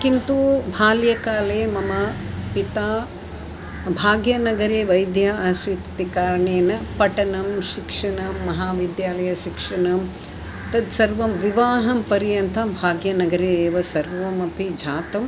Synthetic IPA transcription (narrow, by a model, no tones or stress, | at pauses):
kint̪ubʱaːljɐkaːleːmɐmɐ | pit̪aː | bʱaːɡjɐnɐɡɐɾeːʋɐjd̪jaːɐsit̪t̪ikaːɾɐɳeːnɐpɐʈɐnɐmʃikʂɐɳɐmːɐɦaːʋid̪jaːlɐjɐʃikʂɐɳɐm | t̪ɐd̪sɐɾʋɐmʋiʋaːɦɐmpɐɾijɐnt̪ʰɐmbʱaːɡjɐnɐɡɐɾeːeːʋɐsɐɾʋɐmɐpid͡ʒʱaːt̪ɐm